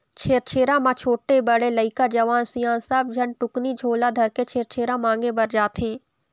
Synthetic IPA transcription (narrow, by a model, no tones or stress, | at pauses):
t͡ʃʰeːɾt͡ʃʰeːɾãmãt͡ʃʰoːʈːebɐɽelɐɪkad͡ʒɐʋaːnsɪjãːnsəb̚d͡ʒʱɐnʈʊknid͡ʒʱoːlad̪ʱɐɾket͡ʃʰeːɾt͡ʃʰeːɾãmãːŋɡebɐɾd͡ʒaːt̪eɦɛ̃ː